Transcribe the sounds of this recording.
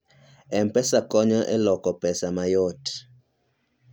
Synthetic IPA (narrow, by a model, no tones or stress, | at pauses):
ɛmpɛsakɔɲɔʔɛ̰lɔkɔpɛsamajɔt